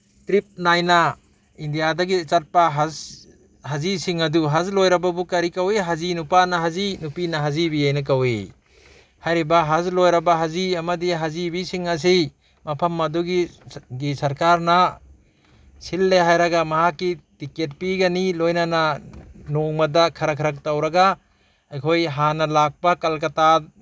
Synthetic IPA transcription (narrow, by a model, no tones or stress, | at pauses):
tɾip̚najna | indijadaɡit͡ʃat̚paɦaz | hazisiŋɐduɦazlojɾababukaɾikaweɦazinupanaɦazinupinaɦazibiajnak̬awe | hajɾibaɦazlojɾabaɦaziamadiɦazibisiŋas̬ej | mɐpʰɐmːɐduɡiɡisɐɾkaɾna | silːeɦajɾɐɡamɐɦakːitiket̚piɡanilojnananoŋmɐdakʰɐɾakʰɐɾɐk̚tawɾɐɡa | ajkʰojɦanɐlak̚pakɐlkɐta